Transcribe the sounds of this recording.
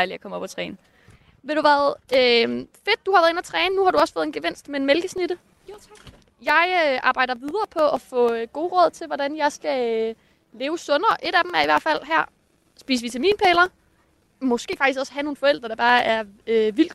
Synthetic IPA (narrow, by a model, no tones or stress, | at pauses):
ɪliækʰɒ̽məɒ̽pʰɒt͡sʰʁɛːn | ʋe̝ɾ̥uʋæːɐð̩ˠøfe̝d̥̚d̥uhɑ̈ʋæɐe̝næt͡sʰʁɛːnənuhɑ̈ɾuɒ̽sfɔ̽ːð̩ˠenɡ̥eʋen̰sd̥meenmelɡ̥əsnid̥ə | jɑ̈ɪøʔɑ̈ːb̥ɑ̈ɪ̰d̥ɐʋið̞ˠɐːpʰɒ̽æfɔ̰̽ɡ̥o̝ːʁɔ̽ð̰ˠt͡sʰe̝lʋɒd̥ænjɑ̈ɪsɡ̥æ | le̝ːʊəsɔ̽nɐːʔe̝ɾ̥æd̥m̩æɐiʋæɐ̰d̥fæl̰ɦæɐ̰ | sb̥iːsəʋit͡sʰæmḭːnpʰeːlɐ | mɔ̽sɡ̥e̝ːfɑ̈ɡ̥isɒ̽səhæno̝ːnfɒ̽el̰d̥ʁɐd̥ɑ̈b̥ɑ̈ːæɐøʋil̰d̥